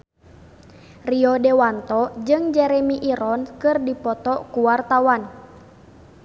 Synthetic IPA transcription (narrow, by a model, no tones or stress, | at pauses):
riɔdɛwant̪ɔd͡ʒɨŋd͡ʒɛɾɛmiʔiɾɔnkɨrdipɔt̪ɔkuwart̪awan